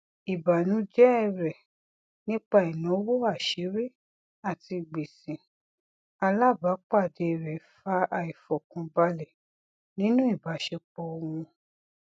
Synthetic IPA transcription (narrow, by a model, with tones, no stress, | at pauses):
i˨ba˨nũ˨˦d͡ʒɛ˦ɛ˦˨ɾɛ˨ | nĩ˦k͡pa˦i˨nɔ̃˨˦wo˦a˦˨ʃe˨˦ɾe˦ | a˦˨ti˧ɡ͡be˨sĩ˨ | a˧la˦˨ba˨˦k͡pa˦˨de˧˨ɾɛ˨fa˧˦a˧˨i˨fɔ˨kũ˨˧ba˧lɛ˨ | nĩ˦nũ˦i˦˨ba˨˦ʃɛ˧k͡pɔ˧o˧wũ˧